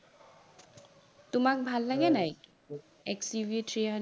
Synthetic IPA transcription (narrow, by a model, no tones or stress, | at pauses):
t̪omak̚bʱalːaɡenaj | ɛksivieʈɾia